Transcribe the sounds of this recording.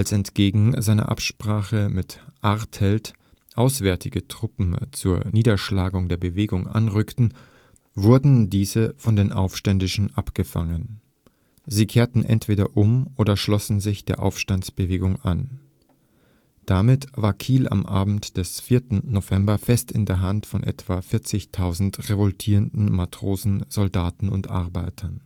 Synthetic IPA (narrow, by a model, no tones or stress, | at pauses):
ʔalsɛntɡ̥eːɡŋ̩zaɪnɐ̰ʔa̰pʃpʁ̥aːχəmɪtʔaʁthɛlt | ʔaʊsv̥ɛɐtʰɪɡətʁ̥ʊpm̩t͡suːɐniːdɐʃlaːɡʊŋdeːɐbəveːɡʊŋʔa̰nʁʏktn̩ | vʊɐdn̩diːzəfɔndeːnʔa̰ʊfʃtɛndɪʃn̩ʔapɡ̥əfa̰ŋən | ziːkʰeːɐtn̩ʔɛ̰ntv̥eːɾɐʔʊmʔoːdɐʃlɔsn̩zɪçd̥eːɐʔa̰ʊfʃtant͡sb̥əveːɡʊŋʔa̰n | d̥amɪtvaːɐkʰiːla̰mʔaːbm̩td̥ɛsfiːɐtn̩nov̥ɛmbɐfɛstɪndeːɐɦantfɔnʔɛ̰tv̥aːfɪɐt͡sɪçtʰaʊzn̩tʁevɔltʰiːʁəndn̩matʁ̥oːzn̩z̥ɔldaːtn̩ʊ̰ntʔa̰ɐbaɪtʰɐn